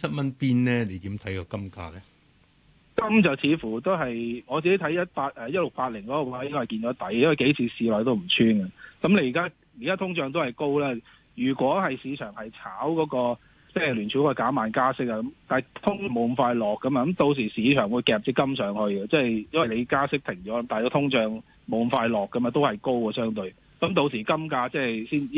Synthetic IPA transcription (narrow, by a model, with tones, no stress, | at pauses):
sʰɐ˥t̚mɐ˥npiː˥nlɛː˦˥ne˨˧jt̪iː˨˥mt̪ʰɐ˨˥jkɔ˧kɐ˥mka̰ː˧lɛ˦˥ | kɐ˥mt͡sɐ˨˩wt͡sʰiː˨˧fu˨˩t̪o˥wɦɐ˨jŋɔː˨˧t͡si˨e˦˥t̪ʰɐ˨˥jɐ˥t̚paː˧t̚ʔɛː˨˩jɐ˥t̚lʊ˨k̚paː˧t̚lɪ˨˩ŋkɔː˨˥kɔː˧waː˨˧˥ji˥kʰɔ˧hɐ˨˩kiː˧nt͡ʃɔː˨˥t̪ɐ˨˥jjwɐ˨jke˨˥jt͡sʰiː˨˧siː˨˧lɔː˨jt̪o˥wm̩˨˩t͡sʰyː˥nɡɐ˧kɐ˨˥mle˧˥ji˨kaː˥ | jiː˨˩kaː˥t̪ʰʊ˥ŋt͡sœː˨˧ŋt̪o˥whɐ˨˩jko˥wlɛː˥ | jyː˨˩kʷɔː˨˥hɐ˨jsiː˨˧t͡ʃʰœː˨˩ŋhɐ˨jt͡sʰaː˨˥wkɔː˨˥kɔː˧ | t͡sɛː˥˩lyː˨˩nt͡ʃʰyː˨˥kɔː˧jkaː˨˥maː˨nkaː˥sɪ˥k̚ːɐ˧kɐ˨˧˥mt̪aː˨t̪ʰʊ˥ŋmo˨wm̩˨˩faː˧jlɔː˨kːɐ˨˥mɐ˧kɐ˨˦mt̪o˧ws̬iː˨˩siː˨˧t͡ʃʰœː˨˩ŋwu˨˧jkɛː˧p̚iː˥kːɐ˥msœː˨˧ŋhɵ˧ɥɡɐ˧t͡sɛː˥˩jɐ˥nwɐ˨jle˨˧jkaː˥sɪ˥k̚t̪ʰɪ˨˩ŋt͡ʃɔː˨˥ɐ˦˥mt̪aː˨˩jkɔː˧˥t̪ʰʊ˥ŋt͡ʃœː˨˧ŋ | mo˨˧wm̩˨˩faː˧jlɔː˨kːɐ˨˥mɐ˨˧t̪o˥whɐ˨jko˥wkɐ˧sœː˥ŋt̪ɵ˧ɥ | kɐ˨˧˥mt̪o˧wsiː˨˩kɐ˥mkaː˧t͡sɛː˥siː˥n˥